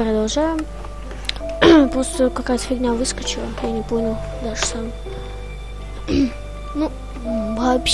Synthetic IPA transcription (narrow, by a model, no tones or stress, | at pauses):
pɾəd̪ɐlˠʐajʊ | pɾost̪əkɐkajət̪ə̥fʲɪɡnʲavɨskət͡ɕɪlˠəjanʲɪponʲɪlˠ | d̪aʐə̥sam | nu | vɐːpɕ